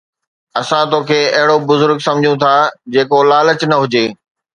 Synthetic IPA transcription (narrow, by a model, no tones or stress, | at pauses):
ɐsãt̪oːkʰeːɐɦɪɽobʊzʊɾɡsɐ̃md͡ʑʱjũt̪ʰaːd͡ʑeːkolaːlət͡ɕnɐɦʊd͡ʑeː